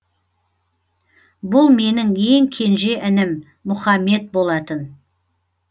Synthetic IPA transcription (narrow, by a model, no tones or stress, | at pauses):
bʊlˠme̞nɪŋje̞ŋkʲʰe̞nʒe̞ʔɪnɪmː | ʊχɑmːe̞t̪̚bo̞lˠɑt̪ən